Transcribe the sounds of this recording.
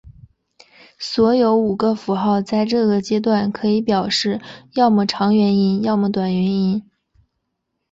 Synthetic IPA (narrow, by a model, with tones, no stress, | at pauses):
swɔ˧˥jo˧˥ʊu˨˩ɡə˦fu˧˥xɑ˥˧ʊt͡sa˥˧ɪʈ͡ʂɤ˥˩ɡə˩t͡ɕjɛ˥t̪̬wa˥˩nkʰɤ˧˥i˧˥pjɑ˨˩ʊʂɻ̩˥˩jɑ˥˧ʊmu˥˩ʈ͡ʂʰɑ˧˥ŋɥɛ˧˥ni˥njɑ˥˧ʊmu˧˩t̪wa˨˩nɥɛ˧˥ni˥n